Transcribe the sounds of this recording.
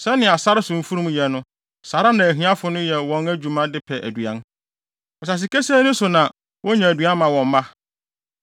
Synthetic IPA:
sɛ˦nɪ̃˨a˨sa˦ɾɪ˦sʊ̃˨m̩˦fu˦ɾũ˦m˦jɛ˨nʊ̃˦ | sa˨ɾa˦nã˨æ˨ɦĩ˦a˦fʊ˨nʊ̃˦jɛ˨wɔ̃˦næ˦d͡ʑu˨mã˦dɪ˦pʰɛ˨ʔæ̰˨dɥã˦n | ɔ˨s̬a˨s̬ɪ˨kɛ˦sɛː˦nʊ̃˦sʊ˨nã˨ | wʔɔ̃˦ɲã˨æ˨dɥã˦m˦mã˨wɔ̃˨m˦mã˦

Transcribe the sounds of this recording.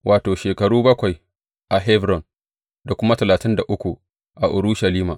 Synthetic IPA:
wʔaː˨toː˨ʃeː˨kɐ˨ɽuː˦bɐ˦kʷa˨j | ʔa˨ɦɛ˦vɾɔ˨n | da˨kʷʊ˦ma˦tɐ˨laː˨tɪ˦nda˨ʔʊ˦kʷu˨ | ʔa˨ʔʊ˨ɾu˦ʃɐ˨liː˦ma̰˨

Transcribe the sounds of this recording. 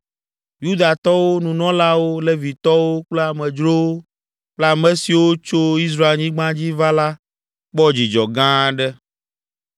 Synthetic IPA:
ju˦d̪a˨t̪ɔ˦wo˦nũ˨nɔ̃˦la˦wo˦lɛ˦vi˨t̪ɔ˦wo˦k͡plɛ˦a˨mɛ̃˨d͡ʒɾo˦o˦ | k͡plɛ˦a˨mɛ̃˦si˨wo˦t͡ʃo˦i˦s̬ɾa˦e˨lɲĩ˦ɡ͡bã˦d͡ʑi˦va˦la˦ | k͡pɔ˦d͡ʑi˨d͡ʒɔ˨ɡã˦ɖɛ˦

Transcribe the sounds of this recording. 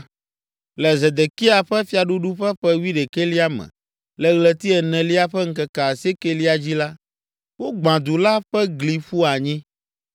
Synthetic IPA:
lɛ˨zɛ˨d̪ɛ˨ki˦a˨ɸɛ˦fi˦a˨ɖu˦ɖu˦ɸɛ˦ɸɛ˦wi˦ɖe˨ke˦li˦a˦mɛ̰̃˨ | lɛ˨ɣlɛ˨t̪i˦ɛ˨nɛ̃˨li˦a˦ɸɛ˦ŋ̩˦kɛ˨ka˨se˦ke˦li˦a˨d͡ʑi˦la˦ | wo˦ɡ͡bã˨d̪u˨la˦ɸɛ˦ɡli˨ɸu˦a˨ɲĩ˦

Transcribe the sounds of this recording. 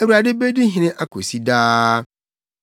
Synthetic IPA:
e˨wu˨ɾa˨dɪ˦be˦di˦ɦĩ˨nɪ̃˦ʔa˦kʰo˨si˦daː˦

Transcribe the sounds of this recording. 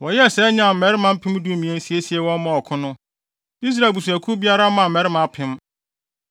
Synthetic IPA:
wɔ˨jɛ˦˨sɛː˦ɲã˦˨m̩˨mɛ˨ɾɪ˦mã˦m̩˦pʰɪ̃˦m˦du˦˨mĩ˨ɛ̃˨˦n̩˦si˦e˦si˦ɛ˦wɔ̃˦mã˦˨ɔ˨kʰʊ̃˦nʊ̃˦ | i˦s̬ɾa˨bu˨su˨æ˨kʰu˦bi˦a˦ɾa˦mã˨mɛ˨˦ɾɪ˦mã˨˦˨pʰɪ̃˦m

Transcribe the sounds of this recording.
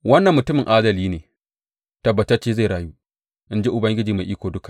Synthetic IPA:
wɐ˦nːɐ˨mːʊ˨tʊ˦mɪ˨ŋʔaː˦dɐ˨liː˦neː˨ | tɐ˨bːɐ˨tɐ˦t͡ʃːeː˦za˦˨ɾaː˨juː˦ | ʔɪ˦nd͡ʒe˦ʔʊ˨bɐ˦ŋɡʲɪ˦d͡ʒiː˨ma˨ʔiː˦kʷoː˨dʊ˦kḁ˨

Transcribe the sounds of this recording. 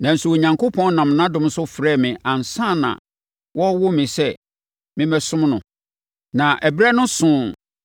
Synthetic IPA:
nã˨n̩˨su˨wo˨ɲã˨ŋkʰo˦pʰɔ̃˦n˦nã˨mnã˦dʊ̃˦m̩˦sʊ˦fɾɛ˦˨mɪ̃˨ʔã˨n˨sã˦˨nã̰˨ | wʔɔ˦wʊ˦mɪ̃˨sɛ˦ | mɪ̃˦mɛ˦sʊ̃˦mnʊ̃˨ | nã˨ʔæ˨bɾɛ˦nʊ̃˦sʊ̃˦

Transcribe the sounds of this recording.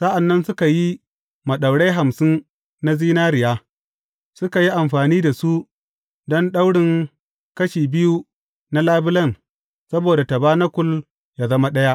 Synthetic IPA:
sa˦ʔa˨nːɐ˦nsʊ˦ka˨ji˦ | mɐ˨ɗa˨wɽe˦ɦa˨msɪ˦n | na˦ziː˦naː˦ɾɪ˨jaː˦ | sʊ˦ka˨ji˦ʔa˨mɸaː˨niː˦da˨su˦ | dɔ˦nɗa˦wɽɪ˨ŋ | kɐ˦ʃiː˨bɪ˦ju˦ | na˦laː˦bɪ˦lɐ˦n | sɐ˦boː˨da˨tɐ˨baː˦na˦kʷʊ˦l | jaː˨zɐ˦ma˦ɗɐ˦ja˦ʔ

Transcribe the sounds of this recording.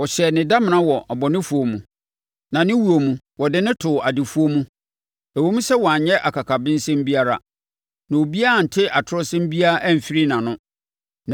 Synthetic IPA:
wɔ˨ɕɛ˨nɪ̃˨da˦mɪ̃˨nã˦wɔ˨ɔ˨bɔ˨nɪ̃˦fu˦o˨mũ˨ | nã˨nɪ̃˦wu˨o˨mũ˨ | wɔ˨dɪ˦nɪ̃˦tʰʊ˨a˨dɪ˨fu˦o˦mũ˦ | æ˨wo˦mũ˦sɛ˦wɔ˨a˨ɲɲɛ˦ʔa˨kʰa˨kʰa˨bɪ̃˦n̩˦sɛ̃˦m˦bi˦a˦ɾa̰˨ | nã˨o˨bi˦a˦a˨n̩˨tʰɪ˦ʔa˨tʰʊ˦ɾɔ˦sɛ̃˦m˦bi˦a˦ʔɛ˦˨m̩˨fi˦ɾi˦nã˨nʊ̃˦ | n

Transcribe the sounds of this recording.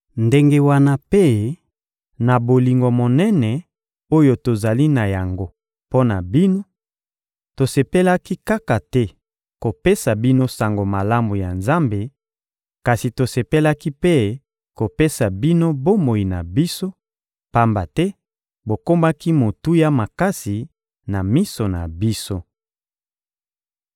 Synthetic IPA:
nde˦ŋɡe˦wa˦na˦pe˦ | na˨bo˨li˨ŋɡo˨mo˨nɛ˦nɛ˨ | o˦jo˨to˨za˨li˦na˨ja˨ŋɡo˦ | po˦na̰˨bi˦no˦ | to˨se˨pe˦la˦ki˦ka˦ka˨tɛ˦ | ko˨pe˦sa˨bi˦no˦sa˨ŋɡo˨ma˨la˦mu˨ja˨nza˦mbe˨ | ka˨si˨to˨se˨pe˦la˦ki˦pe˦ | ko˨pe˦sa˨bi˦no˦bo˦mo˨i˨na˨bi˦so˦ | pa˦mba˨tɛ˦ | bo˨ko˦ma˦ki˦mo˨tu˦ja˦ma˨ka˦si˨ | na˨mi˦so˨na̰˨bi˦so˦

